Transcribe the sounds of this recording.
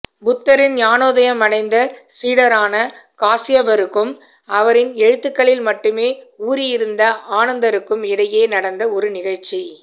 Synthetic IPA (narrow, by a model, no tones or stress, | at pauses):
bʊt̪ːɐɾɪnjaːnoːðɐjɐmɐɽɐɪnd̪ɐsiːɽɐɾaːnɐkaːsɪjɐbɐɾɯkːɯm | ɐʋɐɾɪnɛɻɯt̪ːɯkːɐɭɪlmɐʈːɯmeːuːɾɪjɪɾɯnd̪ɐaːnɐnd̪ɐɾɯkːɯmɪɽɐjeːnɐɽɐnd̪ɐɔɾɯnɪɣɐɭt͡ʃːi